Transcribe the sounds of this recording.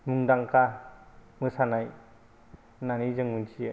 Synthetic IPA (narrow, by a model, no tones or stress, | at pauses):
muŋdaŋkʰa | mɯsanaj | nanizɯŋmunsi